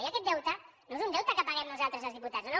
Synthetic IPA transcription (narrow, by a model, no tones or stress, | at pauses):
jakɛt̪̚d̪ɛwt̪anoezund̪ɛwt̪akapaɣɛmnuzalˠt̪ɾəzalzðiput̪at̪zono